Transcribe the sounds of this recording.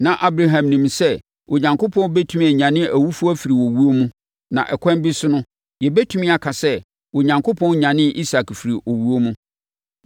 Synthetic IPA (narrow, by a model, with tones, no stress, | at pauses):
nã˨ʔa˦bɾa˦ɦã˨mnĩ˨msɛ˦ | wo˨ɲã˨ŋkʰo˦pʰɔ̃˦n˦bɛ˦tʰu˦mĩ˦ɛ˨ɲã˨nɪ̃˦ʔæ˨wu˦fu˦ɔ˦fi˨ɾi˨wo˨wu˦o˦mũ˦ | nã̰˨ʔɛ˨kʰʷɛ̃˦mbi˦sʊ˦nʊ̃˦ | jɛ˨bɛ˦tʰũ˦mĩ˦a˨kʰa˨sɛ˦ | wo˨ɲã˨ŋkʰo˦pʰɔ̃˦nɲã˨nɪ̃˦ʔi˦sa˨kfi˨ɾi˨ʔo˨wu˦o˦mũ˦